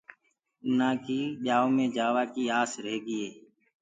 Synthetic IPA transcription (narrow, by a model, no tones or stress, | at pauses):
naːkiːʄaːõːmẽːd͡ʒaːʋaːkiːaːsɾeɦːɡiːeː